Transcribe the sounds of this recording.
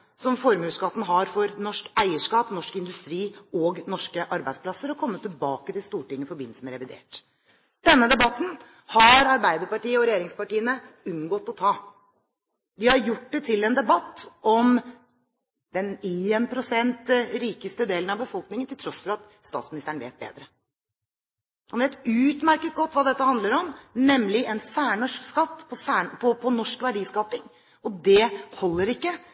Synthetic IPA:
sɔmfɔɾmʉːskɑt̪ːn̩ɦɑɾfɔɾnɔʂkæɪəʂkɑːpnɔʂkɪnd̪ʉst̪ɾiːɔɡnɔʂkəʔɑɾbæɪd̪spʰlɑsəɾɔkʰɔmːət̪ʰːɪlbɑːkət̪ɪlst̪uːʈɪŋːəfɔɾbɪn̩səmɛɾɛʋɪd̪ḛːʈ | d̪̥ɛnːəd̪ɛbɑt̪ːn̩ | hɑɾɑɾbæɪd̪əɾpɑʈiːəɔɾɛjeːɾɪŋspɑʈiːənəʉnɡɔt̪ːɔt̪ʰɑː | d̪ɪhɑɾjʊʈ̚ːd̪ɛt̪ʰɪlːɛnd̪ɛbɑt̪ːɔm | d̪̥ɛnɪɛnpʰɾʊsɛnt̪ɾiːkəst̪əd̪eːlənɑʋbəfɔlknɪŋənt̪ɪlt̪ʰɾɔsfɔɾɑt̪ | st̪ɑ̰t̪smɪnɪst̪əɳ̩ʋḛːt̪̚bḛːd̪ɾə | hɑnʋeːt̪ʉːt̪mæɾkət̪̚ɡɔt̪ːʋɑːd̪ɛt̪ːəhɑnd̪ləɾɔmnɛmlɪʔɛnsæːɳɔʂkskɑt̪ːpʰɔsæːɳpʰɔpʰɔnɔʂkʋæɖiːskɑːpɪŋ | ɔd̪ɛhɔlːəɾɪkːə

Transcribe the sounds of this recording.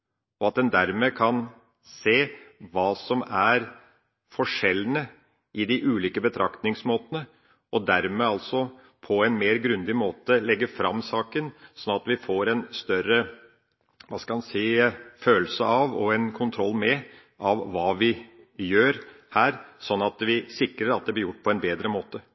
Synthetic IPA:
ɔɑt̪̚d̪ɛnd̪æɾmekʰɑn | seːʋɑːsɔmæɾ | fɔʂɛlːənə | ʔɪd̪ɪʔʉːliːkəbət̪ʰɾɑkt̪nɪŋsmoːt̪ənə | ʔɔd̪æɾmeɑlt̪sɔ | pʰɔɛnmeːɾɡɾʉnd̪ɪmoːt̪əlɛɡːəfɾɑ̰mːsɑːkənsɔnːɑt̪ʋɪfoːɾɛnst̪œɾə | ʋɑskɑlmɑnsɛɪføːlsəɑʋɔ̰ɛnkʰʊnt̪ʰɾɔlːmɛ | ʔɑʋːɑːʋɪ | jøːɾ | hæːɾsɔnːɑt̪ʋɪsɪkɾəɾɑt̪̚d̪ɛblɪɾjʊʈ̚ːpʰɔɛnbeːd̪ɾəmoːt̪ə

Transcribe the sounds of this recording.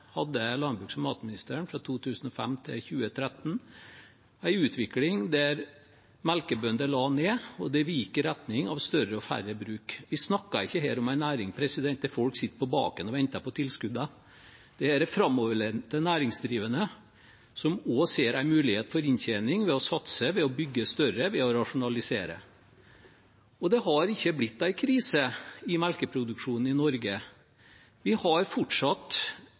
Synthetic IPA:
hɑd̪ːəlɑnbɾʉːksɔmɑːt̪mɪnɪst̪əːɾɳfɾɑt̪ʰuːt̪ʰʉːsn̩ɔfæ̰mt̪ʰɪ̰lçʉːət̪ʰɾɛt̪n | æɪʉːt̪ʰʋɪklɪŋd̪æɾ | mælkəbœnd̪əlɑːneːɔd̪ɛʋiːkːəɾæt̪nɪŋɑʋst̪œɾəɔfæ̰rəbɾʉːkʋɪsnɑkːɑɪçːəheːɾɔmæɪnæːɾɪŋpʰɾɛsɪd̪ɛnt̪d̪æɾfɔlksɪt̪ːə̥pɔbɑ̰ːkənɔʋɛnt̪ɑpɔt̪ʰɪlskʉd̪ɑ | d̪̥ɛæɖɛfɾɑmːɔʋəɭɛt̪ɛnæːɾɪŋsd̪ɾiːʋənə | sɔmɔseːɾæɪmʉːlɪheːt̪̩fɔɾɪnçɛnɪŋʋɛɔsɑt̪səʋɛɔbʏɡːəst̪œɾəʋɛɔɾɑʂʊnɑlɪseːɾə̰ | ɔd̪ɛɦɑɾɪçːəblɪt̪ːæɪkʰɾiːsəɪmælkəpʰɾʊd̪ʉkʂuːnn̩ɪnɔɾɡə | ʋɪhɑɾfɔʈʂɑt̪

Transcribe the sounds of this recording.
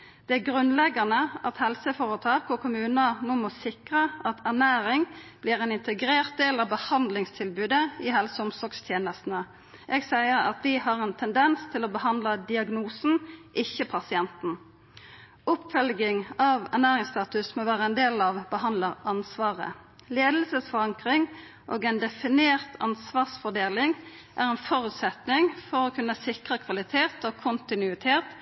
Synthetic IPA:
d̪̥ɛæɡʁʉnlɛɡɑnəʔɑt̪hɛlsəfoːʁət̪ʰɑːkɔkʰʊmʉːnənoːmɔsɪkʁəɑt̪ʰæʁnæːɾɪŋb̥liːʁɛːnɪnt̪əɡɾeːʁt̪̚d̪eːlɑʋbəhɑnd̪lɪŋst̪ʰɪlbʉːd̪əɪhɛlsəʊmsɔkst̪ʰjeːnəst̪n̩ə | ʔɛɡsæɪəɾɑ̰t̪̚d̪ɪhɑʁɛnt̪ʰɛnd̪ɛnst̪ʰɪlɔbəhɑnd̪ləd̪ɪɑɡnuːsn̩ʔɪçːəpʰɑsɪɛnt̪n̩ | ʊpːfœlɡɪŋɑʋɛ̰ʁnæːʁɪŋst̪ɑːt̪ʉsmoːʋæːʁəɛnd̪eːlɑʋbəhɑnd̪ləʁɑnsʋɑːʁə̰ | leːd̪l̩səsfɔʁɑŋkʁɪŋ | ʔoːɡɛnd̪ɛfɪneːʁt̪ʰɑ̰nsʋɑːʁsfɔʁd̪eːlɪŋ | ʔæʁɛnfɔʁʉːt̪sɛt̪nɪŋfɔʁoːkʰʉnːəsɪkʁəkʰʋɑlɪt̪ʰeːt̪oːkʰʊnt̪ɪnʉɪt̪ʰeːt̪

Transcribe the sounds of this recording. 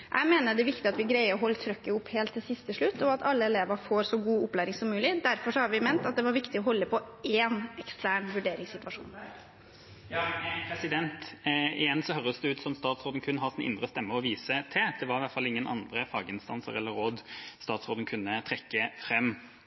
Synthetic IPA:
ʔæ̰ɪmeːnəɖ̪ɛʋɪkt̪ɪɑt̪ʋɪɡɾæɪəɔɦɔlːət̪ʰɾœkːəʊpːheːlt̪ʰːɪlsɪst̪ʰəʂɭʉt̪ːɔɑt̪ɑlːəɛleːʋəɾfoːɾsɔɡuːʊplæɪɾɪŋsɔmːʉːlɪd̪æɾfɔʂɔhɑɾʋɪmɛnt̪ɑt̪̚d̪ɛʋɑɾʋɪkt̪ɪɔɦɔlːəpʰɔeːnɛkst̪æːɳʋʉɖeːɾɪŋsɪt̪ʋɑʂṵːn | jpʰɾɛsɪd̪ɛnt̪ɪjɛnːsɔɦœɾəsd̪ɛʉːt̪sɔmst̪ɑːt̪sɾoːd̪ən̩kʰʉnːɦɑsɪnʔɪ̰nd̪ɾəst̪ɛmːəɔʋiːsət̪ʰɛd̪̥ɛʋɑɾɪʋæt̪fɑlɪŋːənʔɑ̰nd̪ɾəfɑːɡəɪnst̪ɑ̰nsə̰ɾɛlːəɾoːd̪st̪ɑːt̪sɾoːd̪ən̩kʰʉnːət̪ʰɾɛkːəfɾɛmː

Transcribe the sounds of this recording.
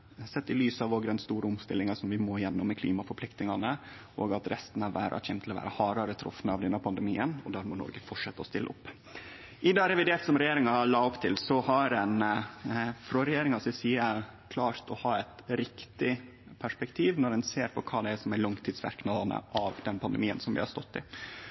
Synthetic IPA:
sɛt̪ːɪlyːsɑʋoːɡd̪ɛnst̪uːɾəʊmst̪ɪlːɪŋɑsɔmʋɪmoːjɛnːʊmːɛkʰlḭːmɑfɔɾpʰlɪk̚t̪nɪŋɑnəʔoːɡɑt̪ɾɛst̪nɑʋæ̰ːɾʔɑ̰çɛnmt̪ʰɪlɔʋæ̰ːɾəhɑːɾɑɾət̪ʰɾʊ̰fnəɑʋd̪ɛnːəpʰɑnd̪ɛmiːənɔd̪æːɾmɔnɔ̰ɾɡəfɔʈʂɛt̪ːəɔst̪ɪlʔəʊpː | ʔɪd̪ɑːɾɛʋɪd̪eːɾt̪sɔmɾɛjeːɾɪŋɑlɑːɔpt̪ʰɪlsɔhɑɾɛn | fɾɔɾɛjeːɾɪŋɑsɪsiːəkʰlɑːɾt̪ɔhɑːɛt̪ɾɪkt̪ɪ | pʰæʂpɛkt̪ʰiːʋnɔɾɖɛnseːɾpʰɔkʰɑːd̪ɛæʂɔmæɭɑŋt̪ʰiːd̪sʋæ̰ɾknɑːd̪ɑnə̰ʔɑʋd̪ɛnpʰɑnd̪əmiːə̰nsɔmʋɪ̰hɑɾst̪ɔt̪ːɪ

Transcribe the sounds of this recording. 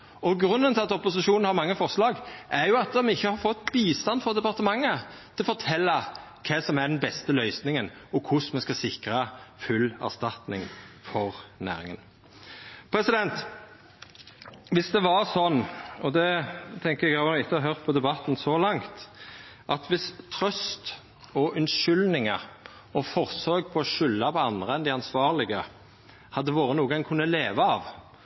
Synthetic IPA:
ɔɡɾʉnːənt̪ʰɪlɑt̪ɔpʊsɪʃuːnn̩hɑɾmɑŋːəfɔɾʂlɑːɡʔæɾjʊɑt̪̚d̪ɔmɪçːəhɑɾfɔt̪ːbiːst̪ɑnːfɔʁd̪ɛpɑʁt̪əmɑŋːət̪ʰɪlfɔʁt̪ʰɛlːɑ | kʰɛːsɔmæd̪ɛnbɛst̪əlœʏsnɪŋənɔkʰʊsmɛskɑsɪkɾɑfʉlːæ̰ʁst̪ɑt̪nɪ̰ŋfɔʁnæ̰ːɾɪŋə̰n | pʰɾɛsɪd̪ɛnt̪ | ʋɪsd̪ɛʋɑʁsɔnːɔd̪ɛt̪ʰɛŋkəɾɛɡɪt̪ːəɑɦœʁt̪̚pʰɔd̪ɛbɑt̪ːn̩sɔlɑŋt̪ʔɑt̪ʋɪst̪ʰɾœst̪ | ɔʔʉnʃʏlnɪŋə | ɔfɔʁsøːɡ̚pʰɔɔʃʏlːɑpɔɑnd̪ʁəɛnd̪ɪɑnsʋɑːʁlɪɡə | hɑd̪ːəʋoːʁənuːəɡɑŋkʰʉnːəleːʋəɑʋ

